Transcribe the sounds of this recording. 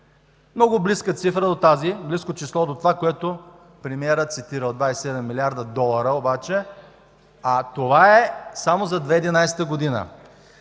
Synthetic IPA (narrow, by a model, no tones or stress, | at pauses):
mnɔɡʊbliskət̪sifɾəd̪ot̪azibliskot͡ʃislˠɔd̪ot̪ovakoɛt̪o | pɾimiɛɾət̪sit̪iɾəd̪vaɛsʲsɛd̪ɛmːilʲiaɾd̪əd̪ɔlˠɐɾəobat͡ʃɛ | at̪ovaɛsamozɐd̪vɛid̪inajsɛ̥t̪əɡod̪inə̰